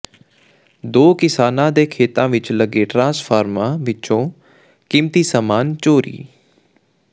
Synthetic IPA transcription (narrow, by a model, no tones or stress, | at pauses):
d̪oːkɪsaːnãːd̪eːkʰeːt̪ãːʋɪt͡ʃləɡeːʈɾãːspʰaːɾmãːʋɪt͡ʃõː | kɪmt̪iːsamaːnt͡ʃoːɾḭː